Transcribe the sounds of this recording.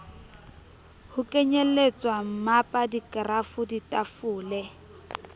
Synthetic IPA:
hʊkʼeɲelet͡sʼwam̩mapʼadikʼrafʊditʼafʊːlɛ

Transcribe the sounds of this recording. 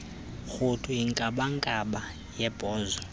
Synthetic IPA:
xʊtʰuiŋkʼaɓaŋkʼaɓa | jɛb̥ʱʼɔːzɔ

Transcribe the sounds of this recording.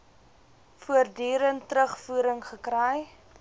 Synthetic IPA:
fuərdyːɾəntɾəχfuːɾəŋχəkɾɛj

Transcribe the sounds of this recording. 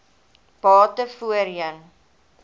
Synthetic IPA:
b̥ɑːtəfuəɾjən

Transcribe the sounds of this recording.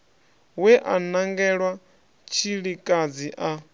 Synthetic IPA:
wɛʔanaŋɡɛɺwa | t͡ʃʰiɺikʼad͡ziʔa

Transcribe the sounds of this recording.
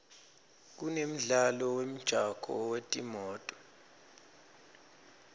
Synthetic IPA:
k̬unem̩ɮalɔwem̩d̥ʒ̥ʱakʰʼɔ̰wetʼimɔːtʼɔ̥

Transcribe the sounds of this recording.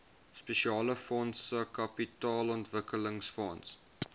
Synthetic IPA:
speʃiɑːləfɔnsəkɐpitɑːlɔntvəkələŋsfɔns

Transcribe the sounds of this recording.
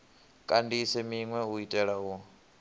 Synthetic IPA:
kʼandisɛmiŋwɛuitʼɛɺaɦɔ

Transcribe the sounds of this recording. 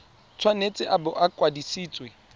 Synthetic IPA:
t͡sʰwanet͡sʼɪʔabʊʔakʼwadisiːt͡sʼwe

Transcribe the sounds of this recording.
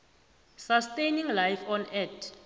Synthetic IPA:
sastejnĩŋlajfɔnɛd

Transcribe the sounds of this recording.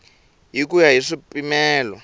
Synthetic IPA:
ɦik̬ujaɦiʂipʼimɛːlɔ

